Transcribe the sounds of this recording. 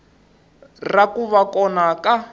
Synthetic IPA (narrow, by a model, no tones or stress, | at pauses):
rakuβakɔnaka